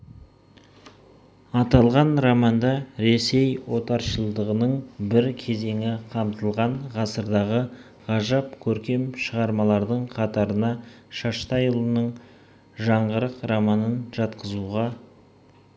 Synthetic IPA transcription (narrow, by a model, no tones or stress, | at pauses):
ɑt̪ɑlˠʁɑnromɑnd̪ɑɾe̞se̞jwo̞t̪ɑɾʃəlˠd̪əʁənəɴbɪɾkʲʰe̞ze̞ŋɪqʰɑmt̪əlˠʁɑɴʁɑsəɾd̪ɑʁə | ʁɑʒɑp̚kʲʰɵɾkʲe̞mʃəʁɑɾmɑlˠɑɾd̪əɴqʰɑt̪ɑɾənɑʃɑʃt̪ɑjəlˠənəɴ | ʒɑɴʁəɾəqramɑnənʒɑt̪qəzuʁɑ